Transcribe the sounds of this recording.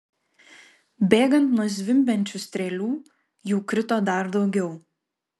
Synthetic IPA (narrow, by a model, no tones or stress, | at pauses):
bʲeːɡɐnt̪nɔzʲʋʲɪmʲbʲɛnʲt͡ʃʲʊsʲt̪ʲɾʲɛːlʲuː | juːkɾʲɪt̪oːd̪ɐˑɾd̪ɒʊɡʲɛʊ